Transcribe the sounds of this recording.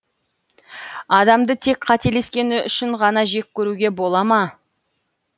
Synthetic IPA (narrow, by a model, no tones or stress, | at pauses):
ɑd̪ɑmd̪ət̪ʰe̞kqʰɑt̪e̞le̞skʲe̞nɪʏʃɪɴʁɑnɑʒe̞k̚ʲʰːɵɾuɡʲe̞bo̞lˠɑmɑ